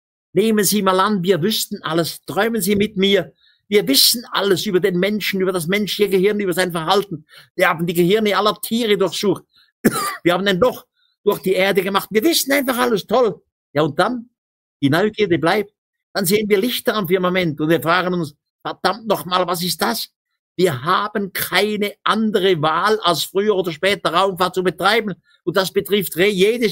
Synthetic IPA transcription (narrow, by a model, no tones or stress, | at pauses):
neːmənziːmaːlanviːɐvʏstn̩ʔaləstʁɔʏmənziːmɪtmiːɐ | viːɐvɪsn̩ʔa̰ləsyːbɐdeːnmɛnʃn̩yːbɐdas̬mɛnʃlɪçəɡəhɪɐnyːbɐzaɪnfɛɐhaltn̩viːɐhaːbn̩diːɡəhɪɐnəɪnalɐtʰiːʁədʊɐçsuːt | viːɐhaːbn̩dɛndɔχ | d̥ʊɐçd̥iːʔeːɐdəɡəmaχtviːɐvɪsn̩aɪnfaχaləstʰɔl | jaːʊnt̚d̥an | d̥iːnɔʏɡ̥iːɐdiblaɪp̚t̚ | d̥anzeːənviːɐlɪçtɐamfɪɐmamɛntʊntviːɐfʁaːɡənʊns | fɛɐd̥amtnɔχmaːlvas̬ɪst̚d̥as | v̥iːɐɦaːbənkʰaɪnəʔandəʁəvaːlalsfʁ̥yːəʁoːdɐʃpɛːtɐʁaʊmfaɐt̚t͡subətʁ̥aɪbn̩ | ʊnt̚d̥asb̥ətʁɪftʁeːjeːdəs